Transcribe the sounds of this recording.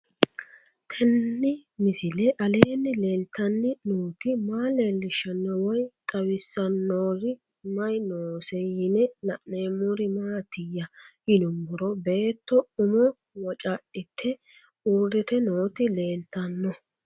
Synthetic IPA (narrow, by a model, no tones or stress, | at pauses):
t̪ʰɛnːɪmɪsɪlɛʔɐle̞ːnːɪle̞ːlt̪ːɐnːɪnuːt̪ɪmaːle̞ːlːɪʃɐnːɔwɔjt̪ʼɐwɪsːɐnːoːɾɪ | mɐjnoːsɛjhɪnɛnɐʔneːmʊɾɪmaːt̪ɪjːɐhɪnʊmbʊɾɔbe̞ːt̪ːɔʊmɔ | wɔt͡ʃʼaʔɪt̪ʰːɛ | uɾd̪ɛt̪ɛnoːt̪ɪle̞ːlt̪ːɐnːɔ